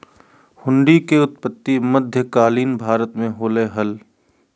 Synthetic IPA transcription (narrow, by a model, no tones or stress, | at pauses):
hʊ̃ɳɖikeʊt̪pət̪ːiməd̪ʱjəkaːliːnbʱaːɾət̪mẽɦoːleɦɐl